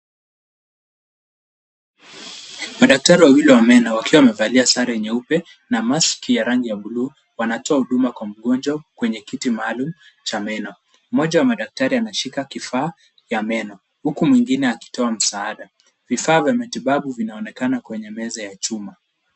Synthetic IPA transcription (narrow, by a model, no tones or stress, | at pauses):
maɗak̚taɾiwawilɛwamɛnɔwakiwaamɛvaliasaɾɛɛɲɛupɛ | namaskijaɾaŋɡijaɓuluː | wanatɔahuɗumakwam̩ɠɔnd͡ʒwakwɛɲɛkitimaːlumu | t͡ʃamɛnɔ | m̩mɔʄawamaɗak̚taɾianaʃikakifaː | jamɛnɔ | hukumwiŋɡinɛaki̥tɔam̩saaɗa | vifaːvjamatiɓaɓuvinaɔnɛkanakwɛɲɛmɛzajat͡ʃuma